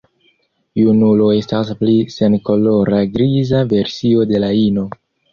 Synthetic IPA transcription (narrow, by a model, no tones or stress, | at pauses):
junulo̞e̞stasplise̞nko̞lo̞ɾaɡɾizave̞ɾsio̞de̞laino̞